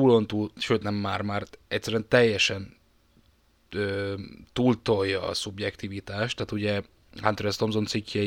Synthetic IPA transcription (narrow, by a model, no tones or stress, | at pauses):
uːlont̪uːlʃøːt̪nɛmːaːrmaːrɛc̚ʲsːɛɾyɛnt̪ɛjːɛʃɛn | øːt̪uːlt̪o̞jːɒ̰ːsubjɛkt̪ivit̪aːʃt̪ːaːt̪uɟɛ | hant̪ɾɛst̪omzont̪sikjɛ